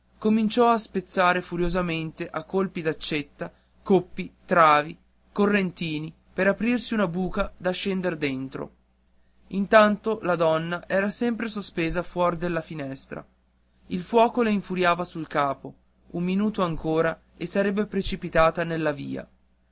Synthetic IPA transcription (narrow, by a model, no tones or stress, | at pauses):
komint͡ʃɔaspet̪sːaːɾefuɾjozament̪eʔakːolpid̪at͡ʃːet̪ːa | kopːit̪ɾaːvi | korːent̪iːni | peɾapɾirsiunabuːkad̪aʃːɛnd̪erd̪ent̪ɾo̰ | int̪ant̪olad̪ɔnːaʔɛːɾasɛmpɾesospeːzafwɔrd̪elːafinɛst̪ɾa̰ | ilfwɔːkoleiɱfuɾjaːvasulkaːpo | umːinuːt̪oaŋkoːɾa | esaɾɛbːepɾet͡ʃipit̪aːt̪anelːavḭːa̰